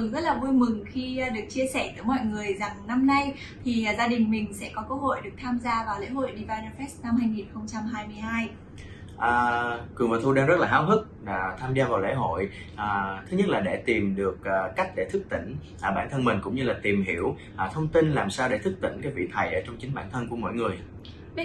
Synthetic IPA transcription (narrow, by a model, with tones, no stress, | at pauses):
ɨ˨˩ŋzə˦˥t̚laː˨˩vu˧əjmɨ˨˩ŋxi˧˩ɗɨ˨˩ək̚t͡ɕi˧əsɛ˧˩t̪ɨː˨˧˦jmɔ̰˧˨jŋɨ˨˩əjza˨˩ŋna˧mna˧j | t̪ʰi˨˩˨zaː˧ɗï˨˩ŋ̟mï˨˩ŋ̟sɛ̰˧˥kɔ˨˦kə˧ho̰˧˨jɗɨ˨˩ək̚t̪ʰaː˧mzaː˧vaː˨˩wlḛ˧˥ɦo̰˧˨jɗi˧vaː˧jnə˧fɛ˦˥st̚na˧mhaː˧jŋi˨˩nxə˧wŋ͡mt͡ɕa˧mɦaː˧jmɨ˧əjɦaː˧j | ʔəː˨˩kwɨ˨˩əŋvə̰ː˨˩t̪ʰu˧ɗaː˧ŋzə˦˥t̚laː˨˩ɦaː˨˧wɦɨ˦˥k̚ːt̪ʰaː˧mzaː˧vaː˨˩wlḛ˧˥ɦo̰˧˨j | ʔəː˨˩t̪ʰɨ˨˦ɲə˦˥t̚laː˨˩ɗe˧˩t̪i˨˩mɗɨ˨˩ək̚ʔːa˦˥k̟̚ɗe˧˩t̪ʰɨ˦˥k̚t̪ḭ̈˧˩ŋ̟ | ʔəː˨˩ɓaː˧˩nt̪ʰə˧nmï˨˩ŋ̟kʊ̰˧˥ŋ͡mɲɨ˧laː˨˩t̪i˨˩mɦḭ˧˩əw | ʔə˨˩t̪ʰə˧wŋ͡mt̪i˧nlaː˨˩msaː˧wɗe˧˩t̪ʰɨ˦˥k̚t̪ï˧˩ŋkaː˨˦jvḭ˧˨t̪ʰə˨˩jʔəː˧˩t͡ɕɔ˧wŋ͡mt͡ɕï˨˦ŋ̟ɓaː˧˩nt̪ʰə˧nku˧˩əmo̰˧˨jŋɨ˨˩əj